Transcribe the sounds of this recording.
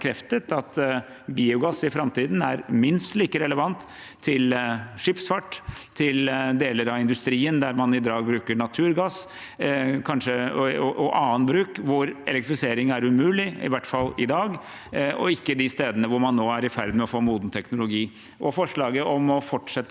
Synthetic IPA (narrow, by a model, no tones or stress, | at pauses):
kʰɾɛft̪ət̪ɑt̪ | biːʊɡɑsɪfɾɑmt̪iːd̪n̩æɾmɪnst̪liːkəɾɛləʋɑnt̪ʰː | ɪlʂɪpsfɑʈːt̪ʰːɪld̪eːləɾɑɪnd̪ʉst̪ɾiːənd̪æɾmɑnɪd̪ɑːɡ̚bɾʉːkəɳɑt̪ʰʉːɾɡɑs | kʰɑnʂəɔɔʔɔʔɑːənbɾʉːkʋʊɾɛ̰lɛk̚t̪ɾɪfɪseːɾɪŋæɾʉmʉːlɪɪ̰ʋæʈːfɑlːɪd̪ɑːɡ | ɔ̰ɪkːəd̪ɪst̪eːd̪ənəʋʊɾmɑnːoːæɾɪfæɾd̪mɛɔfoːmuːd̪n̩t̪ʰɛknʊlʊɡiː | ʔɔfɔʂɭɑːɡəʔɔmɔfɔʈʂɛt̪ː